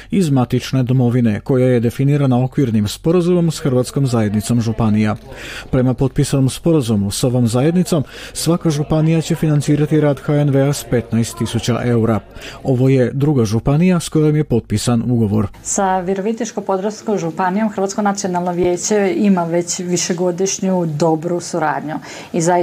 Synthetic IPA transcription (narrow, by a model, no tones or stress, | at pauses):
izmat̪it͡ʃne̞d̪o̞mo̞ʋine̞ko̞jaje̞d̪e̞finiːɾanao̞kʋiɾnimspo̞ɾazumo̞msxr̩ʋaːt̪sko̞mzaje̞d̪nit̪so̞mʒupanijapɾe̞mapo̞t̪̚pisano̞mspo̞ɾazumuso̞ʋomzaje̞d̪nit̪so̞msʋakaʒupanijat͡ɕe̞finant̪siːɾat̪iɾaːd̪xaenʋe̞aspe̞t̪najst̪ːisut͡ɕa̰ʔe̞uɾao̞ʋo̞je̞d̪ɾuːɡaʒupanijasko̞jo̞mje̞po̞t̪̚piːsanuɡo̞ʋo̞ɾsaʋjeɾoʋit̪nit͡ʃkopod̪ɾoskomʒupanijo̞mxr̩ʋat̪sko̞nat̪sio̞nalˠnoʋje̞ːt͡ɕe̞imaʋe̞t͡ɕʋiʃeɡo̞d̪iʃɲud̪o̞bɾusuɾa̰ːd̪ɲu | iza